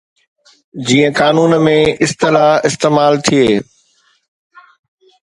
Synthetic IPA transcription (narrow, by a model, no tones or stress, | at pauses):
d͡ʑiːə̃kaːnuːnmẽʔɪst̪ɪlaːɦɪst̪eːmaːlt̪ʰieː